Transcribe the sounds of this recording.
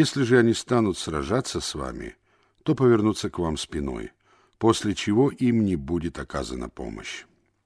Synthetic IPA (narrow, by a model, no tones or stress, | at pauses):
jesʲlʲɪʐɨɐnʲist̪anʊt̪srɐʐat̪sːəsva̰mʲɪ̰ | t̪o̞pəvʲɪrnut̪sːəkvamspʲɪno̞̰j | posʲlʲɪt͡ɕɪvoʔimnʲɪbudʲɪt̪ɐka̰zə̰nə̰po̞̰mə̰ɕ